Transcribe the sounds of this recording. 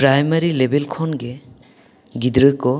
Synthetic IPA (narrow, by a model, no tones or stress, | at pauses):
pɾajmaɾilebelkʰɔnɡe | ɡid̪ɾɯkɔ